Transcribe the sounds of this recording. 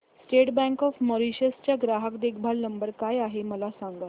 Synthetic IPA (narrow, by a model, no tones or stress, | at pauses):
sʈeʈbɛ̃ŋkɔfmɔɾiɕəst͡ɕjaɡɾaɦəkd̪ekʰbʱalnəmbəɾkajaɦeməlasãŋɡa